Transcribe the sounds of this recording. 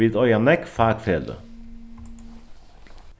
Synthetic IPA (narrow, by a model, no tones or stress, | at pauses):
iːd̪œʏɑnɛkfæːt̪feːlə̰